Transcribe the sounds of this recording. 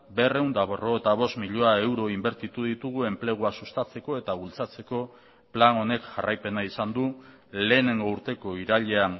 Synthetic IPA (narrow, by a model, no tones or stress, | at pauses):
be̞re̞wnd̪aβoroβet̪aβ̞o̞st̪miʎoae̞wɾo̞imbe̞ɾt̪it̪uð̞it̪uɣ̞ue̞mple̞ɣ̞uasust̪at͡se̞ko̞e̞t̪aβult͡sat͡se̞ko̞ | plano̞ne̞kʝarajpe̞naisand̪u | le̞ːne̞ŋɡo̞uɾt̪e̞ko̞iɾaʎe̞an